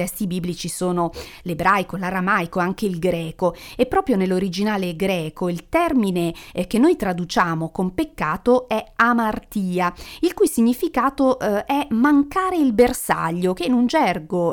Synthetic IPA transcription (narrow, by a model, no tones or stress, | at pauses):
ɛst̪ibibːlit͡ʃisoːnolebɾajkolaɾamajkoaŋkeilɡɾɛːkoepːɾɔːpɾjonelːoɾid͡ʒinaːleɡɾɛːkoilt̪ɛrminek̟enːojt̪ɾad̪ut͡ʃaːmokompekːaːt̪oɛamart̪iːailkujsiɲːifikaːt̪oʔɛmaŋkaːɾeilbersa̰ʎːokenund͡ʒɛrɡo